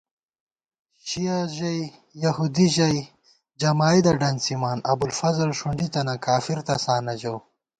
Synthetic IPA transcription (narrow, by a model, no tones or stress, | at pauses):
ʃijaʒaj | jɐhud̪iʒɐj | d͡ʒɐmaːid̪aɖɐnsimaːnɐbulfɐzalʃuɳɖit̪ɐnakʰaːfiɾt̪ɐsaːnɐd͡ʒaw